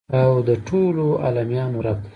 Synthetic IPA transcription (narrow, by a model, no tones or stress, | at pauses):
awd̪əʈʰoloa̰lamjɑmuɾab̪̚